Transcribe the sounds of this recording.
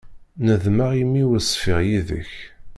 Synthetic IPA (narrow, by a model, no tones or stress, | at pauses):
nəðməʁimːiwəsˤːfɪʁjiðə̰ç